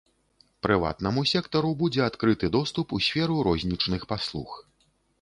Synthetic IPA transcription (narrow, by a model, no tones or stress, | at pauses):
pɾɨva̰t̪nɐmusʲɛkt̪ɐɾubud͡zʲɛat̪kɾɨt̪ɨd̪ɔst̪upusʲfʲɛɾuɾɔzʲnʲit͡ʂnɨxpaslˠṵx